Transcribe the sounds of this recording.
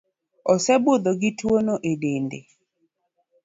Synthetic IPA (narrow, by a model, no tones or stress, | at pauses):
ɔsɛbod̪oɡɪtwonoʔedendḛ